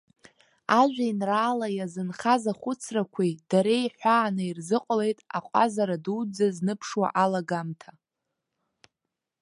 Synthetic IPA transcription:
aʒʷᶣainraːlajazɨnχazaχʷʊt͡sʰrakʷʰid̥aɾejħʷaːnɨirzɨqʷʼle̞jtʼaqʷʼazaɾaduwd͡zaznɨpʰʂwa̰ʔalaɡamtʰa

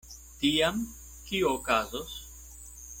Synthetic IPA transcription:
t̪iɐm | ciokɐzos

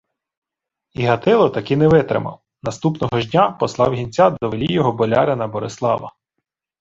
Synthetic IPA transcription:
iɦɐt̪ɪlˠɔt̪ɐkɪnɛʋɪt̪ɾɪ̰mɐ̰w | nɐst̪upnɔɦɔʒdʲnʲapɔslˠɑwɦʲinʲt͡sʲad̪ɔʋelʲijɔɦɔbɔlʲɑɾʲɐnɐbɔɾeslˠɑʋɐ̰

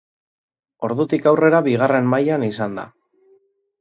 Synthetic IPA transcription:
o̞ɾðut̪ikawre̞ɾaβiɣ̞are̞mmajanisand̪a̰

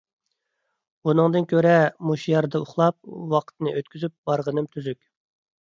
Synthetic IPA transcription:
unɨŋd̪ɨnkʲʰøɾɛmuʃijɑɾd̪ɑuχlˠɑp̚wɑqʰə̥t̪nɨʔøt̪kʲʰyzyp̚bɑɾʁənɨmt̪ʰyzykʲ

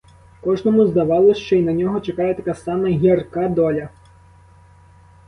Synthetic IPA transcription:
kɔʐnɔmuzd̪ɐʋɑlˠɔʃt͡ʃɔinɐnʲɔɦɔt͡ʃɐkɑjɛt̪ɐkasɑmɐɦʲɐrkad̪ɔlʲɐ

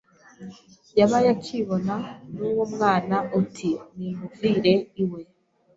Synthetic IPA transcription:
jaβajakʰiβo̞nanuwomŋaːnaʔutʰinimuviːɾe̞iwe̞

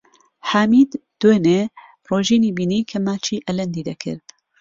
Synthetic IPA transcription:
ħaːmiːd̪d̪̥weːne | roːʒiːniːbiːniːkʰɐmaːt͡ʃʰiːʔɐlɐnd̪iːd̪ɐkʰɪ̰ɾd̪

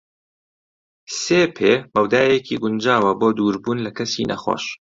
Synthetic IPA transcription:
seːpʰeːmɐwd̪aːjekʰiɡʊnd͡ʒaːwɐboːd̪uːɾbuːnlɐkɐsinʔɐ̰xo̰ːʃ

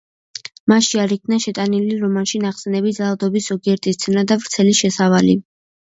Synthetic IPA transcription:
maʃiaɾikʰnaʃɛt̪ʼaniliɾɔmanʃinaχsɛnɛbit̪d̪zalˠad̪ɔbisɔɡiɛɾt̪ʼist̪sʰɛnad̪avɾt̪sʰɛliʃɛsavalḭ

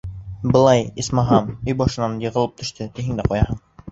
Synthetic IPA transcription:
bɤ̆lˠɑjismɑɦɑmɵjbɑʃɤ̆nɑnjɤ̆ʁɤ̆lˠɤp̚t̪ʰɵ̆ʃt̪ɘt̪iɦɘŋd̪æqujɑhɤɴ

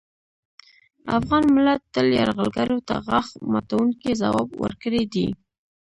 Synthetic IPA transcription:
afɣɑnmɪlat̪ːəljɑɾɣəlɡaɾot̪aɣaxmat̪awuŋkezawɑbwə̰ɾkəɽed̪i

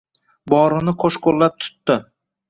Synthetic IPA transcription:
bɒɾɪnɪqʰoʃqʰolːap̚t̪ʰʊ̥t̪ːɪ

